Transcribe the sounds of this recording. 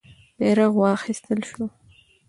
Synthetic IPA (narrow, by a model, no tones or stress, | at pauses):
b̥eːɾɐʁwaːχist̪ʰɨlʃu